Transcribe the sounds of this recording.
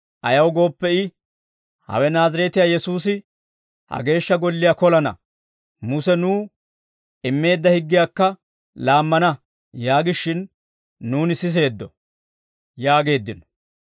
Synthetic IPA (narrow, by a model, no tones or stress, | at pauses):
ʔɐjɐwɡo̞ːpːɛɪ | hɐ̰wɛnaːzɐɾɛt̪ɪjaːjɛsuːsɪ | hɐ̰ɡe̞ːʃːɐɡɔlːɪjaːkɔlɐnɐ̰ | mʊsɛnuː | ɪmːe̞ːd̪ːɐhɪɡːɪjaːkːɐ | laːmːɐnɐ | jaːɡɪʃːɪnː | uːnɪsɪs̬e̞ːd̪ːɔ | jaːɡe̞ːd̪ːɪnɔ